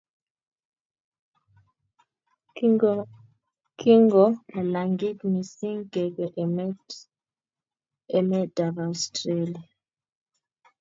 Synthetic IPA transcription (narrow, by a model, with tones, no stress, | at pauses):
ki˦ŋɡɔma˨laŋɡi˦tmi˨si˦ŋɡɛ˨ɡɛʔmɛ | ɛ˨mɛ˦d̥a˨vastɾelia˨